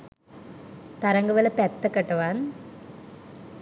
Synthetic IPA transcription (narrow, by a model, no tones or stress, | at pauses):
t̪ɐɾɐŋɡɐʋɐlɐpɛt̪ːɐkːɐʈːɐʋaːn